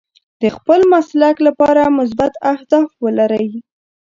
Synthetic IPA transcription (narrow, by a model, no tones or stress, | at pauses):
d̪̥əxpəlmaslaklapɑɾamʊs̬bat̪ahd̪ɑfwəlaɾəwi